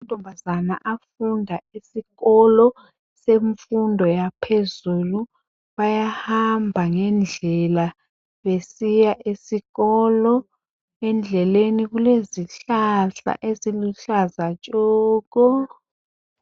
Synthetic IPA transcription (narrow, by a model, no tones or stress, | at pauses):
mud̥ʱɔmbʱazanaʔafundʱaisiɣɔlɔ | seɱfundʱɔjapʰezulu | βajahambʱaŋɛnd͡ɮʱɛla | βesijaʔesiɣɔlɔ | ɛnd͡ɮʱɛleniɣuleziɬaɬa̰ʔeziluɬazat͡ʃʼɔːk̬ɔ